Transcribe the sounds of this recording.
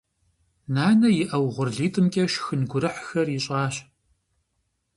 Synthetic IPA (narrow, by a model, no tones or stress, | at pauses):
naːnɐjɪʔɐwʁʷʊrɮiːtʼɨmkʲʼɐʃxɨnɡʷʊɾɨħxɐrjɪɕʼɑːɕ